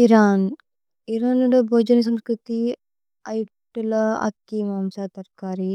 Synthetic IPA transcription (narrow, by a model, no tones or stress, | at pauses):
iɾaːn | iɾaːnɐɽɐbʱoːd͡ʒɐnɐs̬ɐ̃mskɾut̪i | ɐj | ʈːulɐɐ̰t̪ːimaːmsat̪ɐɾkaːɾi